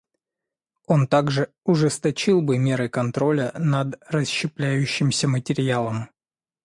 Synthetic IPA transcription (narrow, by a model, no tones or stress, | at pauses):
o̞nt̪aɡʐɨ | ʊʐɨst̪ɐt͡ɕilˠbɨmʲe̞ɾɨkɐnt̪ɾo̞lʲənɐd̪rəsɕːɪplʲæjʉɕːɪmsʲəmətʲɪɾʲɪalˠəm